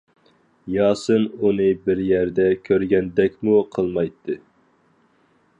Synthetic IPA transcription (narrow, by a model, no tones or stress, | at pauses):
jɑːsɨnunɨbɪɾjæɾd̪ɛkʲʰøɾɡʲɛnd̪ɛkʲmuqʰəlˠmɑjt̪ʰːɨ